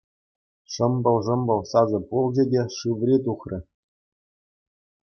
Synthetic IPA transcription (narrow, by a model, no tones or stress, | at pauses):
ʂɤ̆mbɤ̆lˠʐɤ̆mbɤ̆lˠsɑzɤ̆pulˠd͡ʑʲedʲeʂɯʋrʲet̪̬uχrʲʔɘ̆